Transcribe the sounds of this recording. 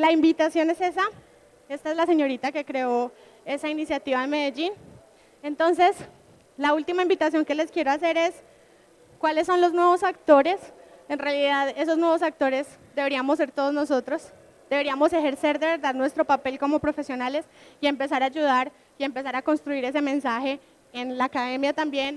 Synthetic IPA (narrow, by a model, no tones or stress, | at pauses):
laimbit̪asjo̞nese̞sa | e̞st̪ae̞zlase̞ɲo̞ɾit̪ake̞kɾe̞o̞ | e̞sainisjat̪iβaðeme̞ðe̞d͡ʒin | e̞nt̪o̞nse̞s | lault̪imaĩmbit̪asjo̞ŋke̞le̞skje̞ɾo̞ase̞ɾe̞s | kwale̞sːo̞nlo̞znwe̞βo̞sakt̪o̞ɾe̞se̞nrealiðaðe̞so̞znweβosak̚t̪o̞ɾe̞sd̪e̞βeɾiamosːe̞ɾt̪oðozno̞so̞t̪ɾo̞s | d̪̥e̞βe̞ɾiamo̞se̞xe̞ɾse̞ɾd̪e̞βe̞ɾðaðnwe̞st̪ɾo̞pape̞lko̞mo̞pɾo̞fe̞sjo̞nale̞sie̞mpe̞s̬aɾad͡ʒuðaɾ | ie̞mpe̞s̬aɾako̞nst̪ɾuiɾe̞se̞mẽ̞nsaxe̞ː | nlaːkaðe̞mjat̪ambje̞n